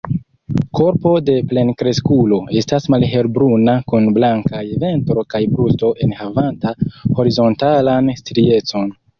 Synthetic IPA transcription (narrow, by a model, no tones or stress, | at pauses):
ko̞ɾpo̞de̞ple̞nkɾe̞skulo̞e̞stasmalɦe̞ɾbɾunakunblaŋkajve̞ntɾo̞kajbɾusto̞ʔe̞nhavantaho̞ɾizo̞ntalanstɾie̞t͡so̞n